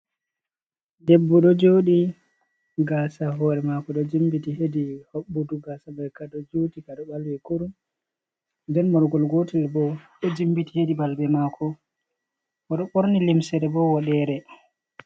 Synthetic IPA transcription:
debːuɗɔd͡ʒoːɗi | ɡasaɦɔɾɛmakɔɗɔd͡ʒimbitihedihobːuduɡasabɛkaɗɔd͡ʒotikaɗɔɓalwɛkuɾum | ndɛnmɔɾɡɔlɡotilbɔɗɔd͡ʒimbitihedibalbɛmakʰɔ | ʔaɗɔɓoɾnilimsɛɾɛbɔwɔɗɛɾɛ

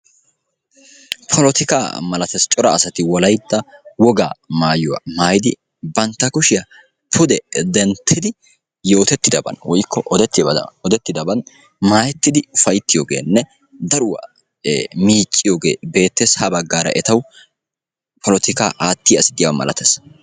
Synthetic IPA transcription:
pʰɔlɔt̪ɪka̰ːmɐlɐt̪ɐst͡ʃʼɔɾɐːsɐt̪ɪwɔlɐjd̪ːɐwɔɡa̰ːmaːjʊwa̰maːjɪd̪ɪ | bɐnt̪ːɐkʊʃɪjɐ | pʰʊd̪ɛd̪ɛnt̪ʰːɪd̪ɪ | jo̞ːt̪ɛt̪ːɪd̪ɐbɐ̰nwɔjkʰːɔʔɔd̪ɛt̪ːɪɔd̪ɛt̪ːɪd̪ɐbɐn | maːjɛt̪ːɪd̪ɪʊfɐjt̪ːɪjoːɡḛːnːɛ | d̪ɐɾʊwa̰ː | miːt͡ʃʼːɪjoːɡḛːbe̞ːt̪ːeːshɐbɐɡːaːɾɐ̰ʔɛt̪ɐw | pʰɔlɔt̪ɪkaːʔaːt̪ːɪjɐsɪ̥t̪ːɪjamɐ̰lʔɐ̰t̪ɐs

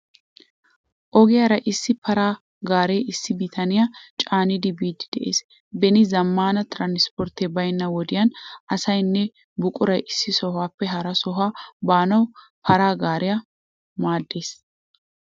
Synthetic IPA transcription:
ʔɔɡɪjɐɾɐjʔɪsːɪpʰɐɾaː | ɡaːɾeːʔɪsːɪbit̪ʰɐnɪjat͡ʃʼaːnɪd̪ɪbiːd̪ːɪd̪ɛʔḛːs | bɛnɪzɐmːaːnɐt̪ɾanɪspɔɾt̪ebɐjnːɐwɔd̪ɪjɐnʔɐsɐjnːɛ | bʊkʼʊɾɐjʔɪsːɪsɔɦaːpːɛɦɐɾɐsɔɦaːbaːnɐw | pʰɐɾaːɡaːɾɪjɐ | maːd̪ːe̞ːs

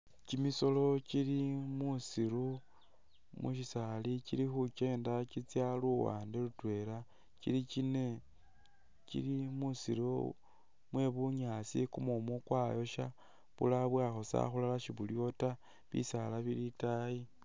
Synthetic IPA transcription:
cimiso̞lo̞cilimusiɾu | mṵʃisalicilixuke̞ːndakit͡sjaluwa̰ːndelutwe̞ɾa | cḭlikine̞ | kḭlimusiɾu | mwe̞βuɲat͡sikumumukwaːjo̞ʃa | βṵlaβwaxosa̰xulalaʃiβuljo̞ta | βḭsalaβilitaji

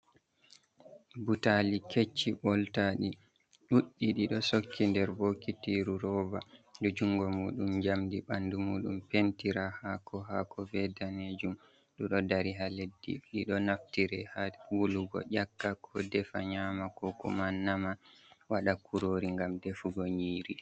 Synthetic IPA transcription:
butaliket͡ʃːibɔltaɗi | ɗuɗːiɗiɗɔsokʰːindɛɾbokːitiɾuɾɔbadud͡ʒuŋɡɔmuːɗumd͡ʒamdiɓandumuːɗumpentiɾahakʰɔɦakɔvɛdaned͡ʒum | ɗɔɗɔdaɾiɦaledːḭɗiɗɔnaftiɾɛhawuluɡɔ̰ʔakːakʰɔdɛfaɲaːmakɔkṵmanːamawaɗakʰuɾoːɾiŋɡamdefuɡɔɲiːɾi

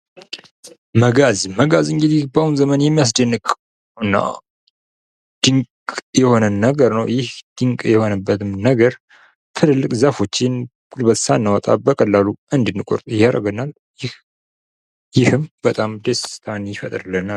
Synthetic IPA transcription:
məɡazməɡazɨŋɡɨd̪ihbawunzəmənjɛmːijas̬d̪ənːɨkʼ | ɨnːa̰ | d̪̥ɨŋkʼjɛho̞nənːəɡəɾnəwjɪhd̪̥ɨŋkʼjɛho̞nəbːət̪ʰɨmnəɡəɾ | t̪ʰɨləlːɨkʼzafo̞t͡ʃːɪn | kʼulbət̪sanːawat̪ʼa̰bəkʼəlːaluʔɨnd̪ɨnːɨkʷʼo̰ɾt̪ʼjɪhaɾə̰ɡənal | jɪh | jɪhɨmb̥ət̪ʼamd̪est̪ʰanjɪfət̪ʼɾɨlːəna

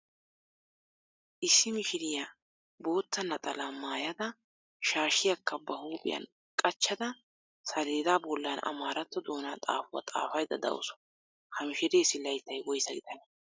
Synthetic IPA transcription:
ʔɪsːɪmɪʃɪɾɪja | bo̞ːt̪ːɐnɐt̪ʼɐlamaːjɐd̪ɐ | ʃaːʃɪjɐkːɐbɐhuːbʼɪ̰jɐ̰n | kʼɐt͡ʃːɐd̪ɐ | sɐleːd̪abɔlːanɐ̰maːɾɐt̪ːɔd̪oːnaːt̪ʼa̰ːfʊwɐ̰t̪ʼa̰ːfɐjd̪ɐ̰d̪ɐ̰wʊ̰sɔ̥ | hɐmɪʃɪɾeːsɪlɐjt̪ːɐjwɔjsɐɡɪd̪ɐn

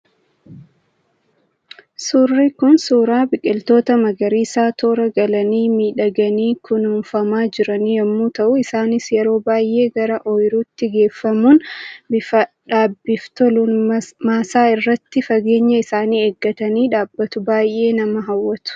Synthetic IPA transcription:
suːrːiːkʊnsuːɾaːbɪkʼɪlt̪o̞ːt̪ɐmɐɡɐɾiːsaːt̪ʰoːɾɐɡɐlɐniːmiːᶑɐɡɐniːkʊnuːnfɐmaːd͡ʒɪɾɐnijɐmːuːt̪ɐʔʊɪsaːnɪsjɛɾo̞ːbaːjʔe̞ːɡɐɾɐʔɔjɾuːt̪ːɪɡe̞ːfːɐmuːnbɪfɐ | ᶑaːbːɪft̪ɔlʊnmaːsaːɪrːɐt̪ːɪfɐɡe̞ːɲːɐɪsaːniːeːɡːɐt̪ɐniːᶑaːbːɐt̪ʊbaːjʔe̞ːnɐmɐɦɐwːɐt̪ʊ̥

